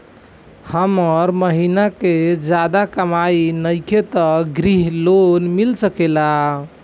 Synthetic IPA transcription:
həməɾməɦinaked͡ʒad̪akəmajnəjket̪əɡɾiɦlonmilsəkela

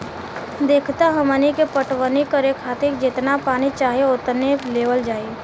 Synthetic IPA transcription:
d̪eːkʰt̪aɦəmənikepəʈwənikəɾekʰaːt̪ekd͡ʒɪt̪napaːnit͡ʃaːɦieʊt̪neleːʋəld͡ʒaːi

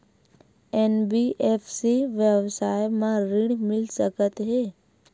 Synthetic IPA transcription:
enbiʔepʰsiʋjəʋsaːjmãɾɪɽ̃mɪlsəkət̪ɦɛː

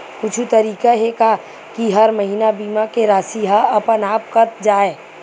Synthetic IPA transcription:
kʊt͡ʃʰut̪ɐɾiːkaɦeka | kiɦɐɾmɐɦinabiːmakeɾaːsiɦaɐpənaːp̚kɐt̪̚d͡ʒaːeː

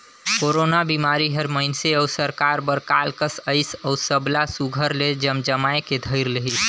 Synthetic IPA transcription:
koːɾoːnabiːmaːɾiɦəɾməɪnseɔːsəɾkaːɾbəɾkaːlkəsəɪsɔːɾsəblasuɡʱəɾled͡ʒəmd͡ʒəmaːeked̪ʱəɪɾləɦi

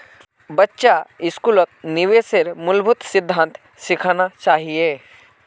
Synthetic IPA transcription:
bɐtːʃaɪskuːlot̪̚nɪʋeseɾmʊlbʱʊt̪sɪd̪ʱːãːnt̪ | sɪkʰanat͡ʃaːɦieː

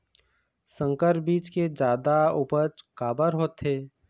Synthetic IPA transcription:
sə̃ŋkəɾbiːt͡ʃked͡ʒaːd̪aupəɾt͡ʃkaːbəɾɦoːt̪ɦeː

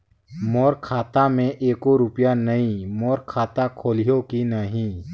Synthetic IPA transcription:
mɔːɾkʰaːt̪amẽʔeːkoɾʊpjanɐɦĩmɔːɾkʰaːt̪akʰoːlijokinəɦĩ

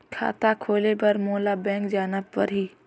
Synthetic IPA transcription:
kʰa̰ːt̪akʰoːlebɐɾmoːlabɛ̃ːŋkd͡ʒaːnəpːɐ̰ɾɦiː

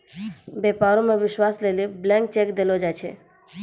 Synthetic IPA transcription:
bepaɾõmẽʋɪʃwasleliblɛ̃ŋk̚t͡ʃekd̪elod͡ʒat͡ʃʰḛ

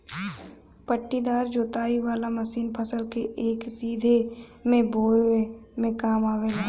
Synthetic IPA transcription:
pəʈːid̪aːɾd͡ʒoːt̪aːiʋaːlamɐsiːnpʰəsəlkeʔeːksiːd̪ʱemẽboːemẽkaːmaːwelɐɡ

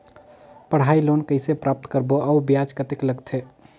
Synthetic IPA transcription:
pəɽ̤ailonkəɪsepɾap̚t̪kəɾboʔaubjad͡ʒkət̪ekləɡt̪ʰe

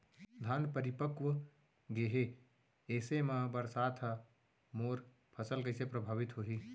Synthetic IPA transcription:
d̪ʱanpəɾipəkʋ | ɡeɦe | esemebəɾsat̪ʰ | moɾ | pʰəsəlkəɪsepɾəbʱabit̪ɦoɦi

